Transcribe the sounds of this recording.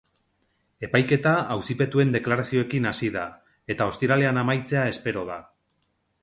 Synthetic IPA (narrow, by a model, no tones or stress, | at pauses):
e̞pajke̞t̪aawsipe̞t̪ue̞nd̪e̞klaɾasio̞e̞kinasiða | e̞t̪ao̞st̪iɾale̞anamajt͡se̞ae̞spe̞ɾo̞ða